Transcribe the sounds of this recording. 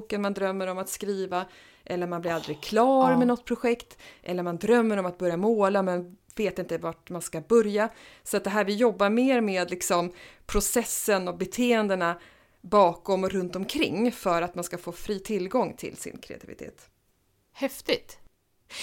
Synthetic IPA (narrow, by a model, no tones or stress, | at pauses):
uːkənmand̪ɾœmːəɾɔmat̪skɾiːva | ʔɛlːəɾmanblɪɾald̪ɾɪɡkʰlɑːɾmɛnɔt̪̚ːpʰɾʊɧɛkt̪ʔɛlːəɾmand̪ɾœmːəɾɔmat̪̚bœɾjamoːlamɛnveːt̪ɪnt̪əvaʈ̚manskabœɾjasɔat̪̚d̪ɛɦæːɾvɪjɔbːaɾmeːɾmeːd̪lɪksɔmpʰɾʊsɛsːənɔbɛt̪ʰeːənd̪əna | bɑːkɔmɔɾɵnt̪ɔmkʰɾɪ̰ŋːfœɾat̪manskafoːfɾiːt̪ʰɪlːɡɔŋːt̪ʰɪ̰lsɪ̰nkʰɾɛ̰a̰t̪ʰɪvɪ̰t̪ʰḛːt̪ | hɛft̪ɪt̪